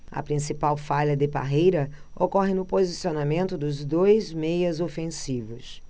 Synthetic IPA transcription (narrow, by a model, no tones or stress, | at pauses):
ɐ̰pɾĩsipawfaʎɐd̪ɪpa̰ɦejɾɐ | okɔɦɪnʊpozisionamẽnt̪ʊd̪ʊzd̪ojzmejɐzofẽsivʊs